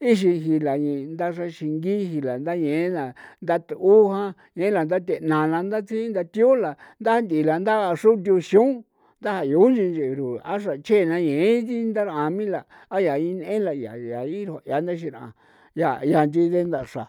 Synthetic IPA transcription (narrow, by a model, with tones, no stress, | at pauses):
i˦ʃ̬i˧ɦi˧la˨ɲĩ˧nd̪a˦ʂ̬a˧ʃi˧ŋɡi˦hi˧la˨nd̪a˦ɲẽ˨˦la˨nd̪a˦t̪u˦hã˦ | ɲẽ˨˦la˨nd̪a˦t̪e˧˨nã˨la˧nd̪a˦t͡sʰi˦nd̪a˧t̪i˦o˦la˨nd̪a˦nd̪i˨la˨nd̪a˦˧ʂu˦d̪̬ʲu˧ʃi˧ũ˦ | nd̪a˦ha˧jo˨˦nd͡ʒi˧nd͡ʒe˨ɾu˨a˦ʂ̬a˨t͡ʃʰe˦˨nã˧ɲẽ˨˦t̪i˦nd̪a˦ɾã˧mĩ˦laː˨˦ | ja˨i˧n˧˦ẽ˦la˧ja˨ja˨i˦ɾa˨˧ja˨nd̪a˦ʃ̬ĩ˧ɾã̰˨ | ja˧ja˧nd͡ʒi˧ðe˦nd̪a˧˨ʂa˨